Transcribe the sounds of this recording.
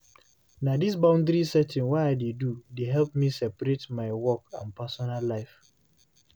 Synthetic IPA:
nadis̬bãʊ̃ndɾisɛtɪ̃nwaɪaɪdedudeɦɛlp̚misɛpaɾetmaɪwɔkãnpasɔnalːaɪf

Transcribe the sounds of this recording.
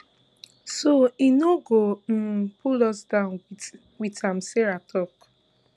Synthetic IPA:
soinoɡom̩pʰulɔsdãʊ̃n | witãm̩seɹatʰɔk

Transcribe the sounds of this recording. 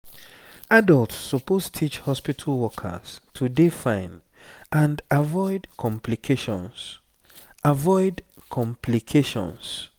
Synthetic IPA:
adəltsɔpostʰit͡ʃhɔspitʰalˠwɔkʰə̰z̥tʰudifãɪ̃n | ʔãndavɔɪdkʰɔ̃mpʰlikʰeʃɔ̰̃ns | ʔavɔɪdkʰɔ̃mpʰlikʰeʃɔ̰̃ns

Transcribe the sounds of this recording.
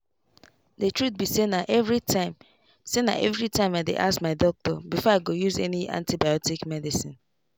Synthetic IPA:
detɹut̚bisenaʔɛvɹitaɪm | sena̰ʔɛvɹitãɪ̃maɪdḛʔasmaɪdɔk̚tɔbifɔaɡojuzɛ̰niʔã̰ntibajɔtikmɛdisĩn

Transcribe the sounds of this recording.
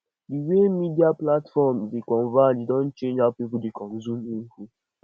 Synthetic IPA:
biwemidiaplatfɔmzikʷɔnvad͡ʒdɔ̃n̩t͡ʃend͡ʒapipʊdɪkɔm̩zuniŋ̩ku

